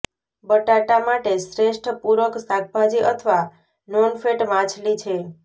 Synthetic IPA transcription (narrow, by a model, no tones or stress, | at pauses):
bəʈaʈamaʈesɾeʂʈʰəpuɾəksak̚ʰbʱad͡ʒiʔət̪ʰʋa | nɔnfeʈʋãt͡ʃʰlit͡ʃʰe